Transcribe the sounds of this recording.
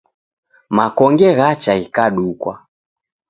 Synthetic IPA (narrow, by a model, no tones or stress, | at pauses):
makɔŋɡɛɣat͡ʃaikaɗukwa̰